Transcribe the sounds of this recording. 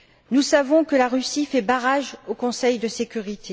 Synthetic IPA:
nusavɔ̃kəlaʁysifɛbaʁaʒokɔ̃sɛjd̪əsekʲyʁit̪ʰe

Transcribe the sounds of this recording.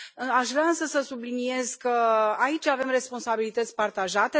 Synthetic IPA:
aʃvɾeaɨnsəsəsublinie̞zkəait͡ʃʲave̞mre̞spo̞nsabilit̪ət̪sʲpart̪aʒat̪e

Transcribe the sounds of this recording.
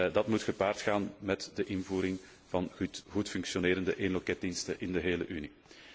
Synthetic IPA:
dɑtmutxəpaːrtxaːnmɛtdəʔɪnvuːɾɪŋ | vɑnɣutfʏŋksjoneːɾəndəʔeːnlɔkɛt̚dinstənʔɪndəɦeːlə̰ʔyni

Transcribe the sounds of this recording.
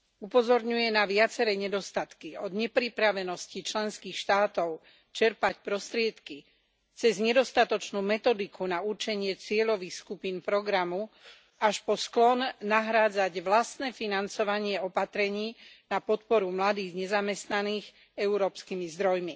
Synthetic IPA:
upɔzɔɾɲujɛnaʋɪat͡sɛɾɛɲɛd̪ɔst̪at̪kiɔd̪ɲɛpɾipɾaʋɛnɔscit͡ʃlɛnskiːxʃt̪aːt̪ɔʊ | t͡ʃɛɾpacpɾɔst̪ɾɪɛt̪ki | t͡sɛzɲɛd̪ɔst̪at̪ɔt͡ʃnuːmɛt̪ɔd̪ikʰunauɾt͡ʃɛɲɪɛt͡sɪɛʎɔʋixskupiːnpɾɔɡɾamu | aʃpɔsklɔnːaɦɾaːd͡zaɟʋlast̪nɛːfinant͡sɔʋaɲɪɛɔpat̪ɾɛɲiːnapɔt̪pɔɾumlad̪iːɣɲɛzamɛst̪naniːɣ | ɛuɾɔːpskimizd̪ɾɔjmi

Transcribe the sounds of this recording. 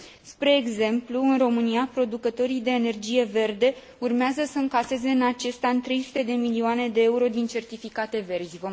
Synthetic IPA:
spɾe̞ːɡze̞mpluɨnro̞mɨniapɾo̞d̪ukət̪o̞ɾijd̪e̞ːne̞rd͡ʒije̞ve̞rd̪e̞ | urmeazəsəɨŋkase̞ze̞ɨnat͡ʃe̞st̪aɨnt̪ɾe̞jsu̥t̪e̞d̪e̞miliuoane̞d̪e̞euɾo̞d̪int͡ʃe̞rt̪ifikat̪e̞ve̞rzʲvo

